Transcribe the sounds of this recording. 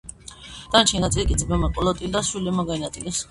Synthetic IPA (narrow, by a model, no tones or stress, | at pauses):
d̪̥ant͡ʃʰɛnat̪sʼilkʼid̪zbɛmakʼɔlɔt̪ʼild̪aswilɛmaɡanat̪ʼilis